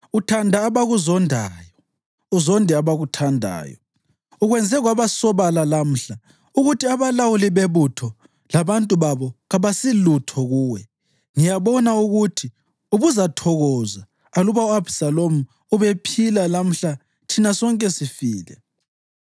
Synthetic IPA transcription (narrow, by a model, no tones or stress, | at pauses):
utʰandʱaːβaɣuzɔndʱajɔ | uzɔndʱɛaβaɣutʰandʱa̰ːjɔ̰ | uɣwɛnd͡zʱɛɣwaβasɔβalalam̩ɬa | uɣutʰiaβalawuliβeβutʰɔ | laβantʼuβaβɔɣaβasilutʰɔɣuːwɛ | ŋijaβɔnauɣutʰi | uβuzatʰɔɣɔzaː | luβauabsalomu | uβepʰilalam̩ɬa | tʰinasɔŋkʼɛsifiːlɛ̰